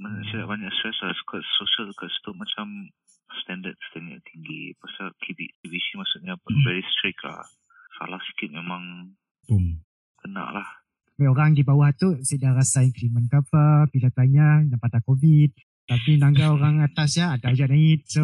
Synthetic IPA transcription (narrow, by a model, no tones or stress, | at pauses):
maɲaʔsajaʔbaɲakst̪ɾɛslasu̥kat̪̚soʃialsukast̪umat͡ʃam | st̪ɛndəd̪̚st̪əŋa̰ʔt̪ʰiŋɡḭpasakibikivisimaʔsuʔɲavɛɾist̪ɾɪkla̰h | sa̰lahsə̥kɪt̪̚memãŋ | kəna̰ʔlah | baoɾaŋdibawaht̪usadaɾasaiŋkɾimə̃nkapəbilat̪aɲanampat̪akovid̪̚ | t̪apinãŋɡaoɾaŋat̪asjaːdaud͡ʒaʔ̚naɪt̪̚so